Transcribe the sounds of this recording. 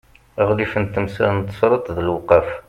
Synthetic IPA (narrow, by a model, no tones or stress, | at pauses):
əʁlifənt̪ːəmsænt̪ːə̥sɾˤət̪ˤðəlwqːɑf